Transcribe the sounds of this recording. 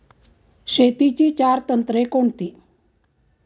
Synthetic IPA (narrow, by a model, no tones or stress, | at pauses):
ɕet̪it͡ɕiːt͡ɕaɾt̪ənt̪ɾekoɳt̪iː